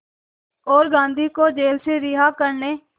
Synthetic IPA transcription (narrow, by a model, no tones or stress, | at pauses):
oːɾɡãːnd̪ʱiːkoːd͡ʒeːlseːɾɪːɦaːkəɾneː